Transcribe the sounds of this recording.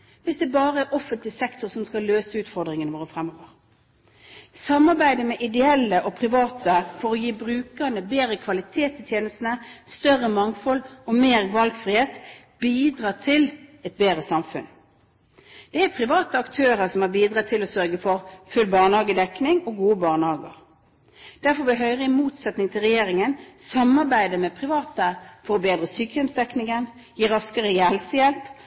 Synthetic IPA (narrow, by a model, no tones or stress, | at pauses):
ʋɪsd̪ɛbɑːʁəæɔfənt̪lɪsɛkt̪ʊʁsɔmskɑlːøːsəʉːt̪fɔʁd̪ʁɪŋənəʋoːʁəfʁɛmːoːʋəʁ | sɑmːɑʁbæɪd̪əmɛʔɪd̪ɛɛlːəʔɔpʰʁɪʋɑːt̪əfɔʁɔjiːbʁʉːkənəbeːɾəkʰʋɑlɪt̪ʰeːt̪ɪt̪ʰjeːnəst̪nəst̪œrəmɑŋfɔlɔmeːʁʋɑlɡfʁɪheːt̪ | b̥iːd̪ʁɑːt̪ʰɪlɛt̪̚beːɾəsɑmfʉ̰n | d̪̥ɛæpʰʁɪʋɑːt̪əɑkt̪ʰøːʁəsɔmhɑbiːd̪ʁɑːt̪ʰɪlosœʁɡəfɔʁfʉlbɑːʁnhɑːɡəd̪ɛknɪŋoːɡuːəbɑːʁnhɑːɡə̰ʁ | d̪̥æʁfɔʁbɛɦœʏʁəɪmuːt̪sɛt̪nɪŋt̪ʰɪlʁɛjeːʁɪŋənsɑmɑʁbæɪd̪əmɛpʰʁɪʋɑːt̪əfɔʁbeːd̪ʁəsyːkəjɔmsd̪ɛknɪŋən | jiːɾʁɑskəʁəjɛlsəjɛlp